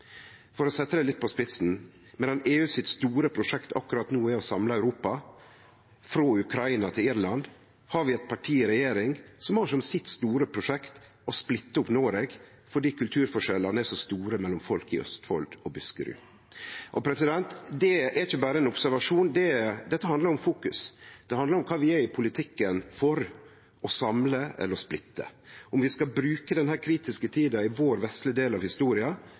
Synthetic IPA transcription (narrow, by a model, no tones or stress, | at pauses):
fɔɾɔsɛt̪ːəd̪ɛlɪt̪̚ːpʰɔspɪt̪sn̩ | mɛːd̪ɑneːʉːsɪt̪st̪uːɾəpʰɾʊʂɛkt̪ʰɑkːʉɾɑt̪nuːɪɔsɑmlɑæʉɾuːpɑ | fɾoːʉkʰɾɑɪnɑt̪ʰɪlɪɾlɑnd̪ | hɑɾʋɪɛt̪̚pʰɑʈʰiːɾɛjeːɾɪŋsɔmhɑʂɔmsɪt̪st̪uːɾəpʰɾʊʂɛkt̪ | ɔsplɪt̪ːəʊpnoːɾɛɡ | fɔɖiːkʉlt̪ʰʉːɾfɔʂɛlːɑnəæsɔst̪uːɾəmɛlːɔmfɔlkɪœ̰st̪fɔ̰ld̪ɔbʉskə̰ɾʉ̰ː | ʔɔpʰɾɛsɪd̪ɛnt̪d̪ɛɛɾɪçəbɑːɾəɛnʊpsæɾʋɑʂuːnd̪ɛd̪ɛt̪ːəhɑnd̪ləɾʊmfuːkʉ̰sd̪̥ɛhɑnd̪əɾʊmkʰɑːʋɪæɾɪpʰʊlɪt̪ʰɪkːənfɔɾ | ɔsɑmləɛ̰lːəɾɔsplɪt̪ːə̰ʔʊmʋɪskɑbɾʉːkəd̪ɛnhæːɾkʰɾiːt̪ɪskət̪ʰiːd̪ɑɪʋoːɾʋɛst̪lɪd̪eːlɑʋhɪst̪uːɾɪɑ